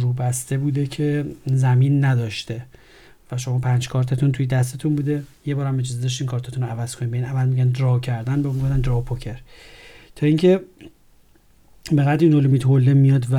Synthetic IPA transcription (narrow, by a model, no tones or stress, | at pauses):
ɾuːbæst̪e̞buːd̪ecʰe̞zæmiːnːæd̪ɒːʃt̪e | væʃo̞mɒːpʰænd͡ʒkʰɒːɾt̪ʰet̪ʰunt̪ʰujed̪æs̬t̪et̪ʰunbuːd̪e̞jebɒːɾæmed͡ʒɒːzed̪ɒʃt̪iːnkʰɒːɾt̪ʰæt̪ʰunoævæz̥kʰo̞nibeiːnævælmiɟænd̪ɾɒːcʰæɾd̪ænbeuɡofd̪ænd̪ɾɒpʰocʰe̞ɾt̪ʰɒːiŋcʰe̞ | beɣæd̪ɾiːnolimit̪holːemijɒːd̪væ